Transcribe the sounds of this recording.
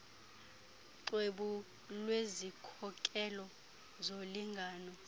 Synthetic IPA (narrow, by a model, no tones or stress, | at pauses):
ǀweɓu | lwezikʰɔkʼɛlɔ | zoliŋɡʱaːnɔ